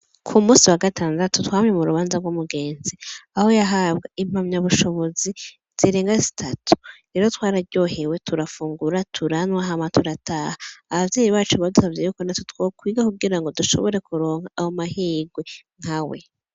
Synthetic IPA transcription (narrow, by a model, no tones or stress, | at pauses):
kʰumuːsiwaɡataːndatutwaːmɲe̞muɾuβaːnzaɾɡwumuɡe̞ːnziaho̞jaɦaβɡaʔim̥amɲaβuʃo̞βo̞zi | z̥iɾe̞ːŋɡazitʰatʰu̥ɾeːɾotwaːɾaɾɟo̞he̞we̞tuɾafuːŋɡuɾatʰuɾanwaɦamatuɾataːhaːβavjeːjiβaːt͡ʃuβadusavjejukonatutwokwiːɡakuɡiɾaŋɡo̞duʃo̞̰βoɾe̞kuɾo̞ːŋhaʔahomahiːɡweŋ̥hawe̞̰